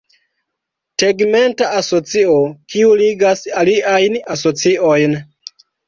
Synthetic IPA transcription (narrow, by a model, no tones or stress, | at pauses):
teɡme̞ntaʔaso̞t͡siokiuliɡasaliʔajnaso̞t͡siʔo̞jn